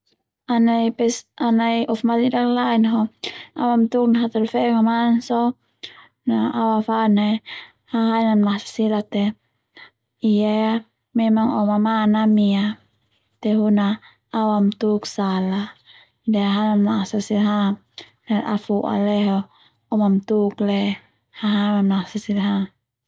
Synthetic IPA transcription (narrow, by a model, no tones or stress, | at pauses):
anaipɛsanaiʔɔfmatidaklainɦɔa̰wamt̪uk̚naɦat̪ɛlfɛŋamansɔ | naawafana | haɦainamnasḁsilat̪ɛ | ijaa | mɛmaŋɔmamanamia | t̪ɛɦuna | awamt̪uksala | deaɦanamnasasilɦa | naʔa̰fuʔa̰lɛɦɔ | ɔmamt̪uklɛ | haɦamamnasasilɦa